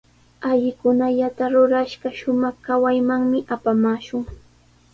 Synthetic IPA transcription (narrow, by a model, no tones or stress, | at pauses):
aʎɪkʊnaʎat̪aɾʊɾaʃɢɑʃʊmɑχkawajmaŋmɪʔapamaːʃʊŋ